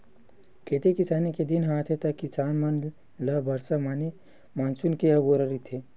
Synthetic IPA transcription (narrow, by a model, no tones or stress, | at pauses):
keːt̪ekisaːniked̪inɦaːt̪ʰet̪ɐkisaːnmɐn | ləbɐɾsamaːni | maːnsunkeɐɡoɾəɾit̪ʰe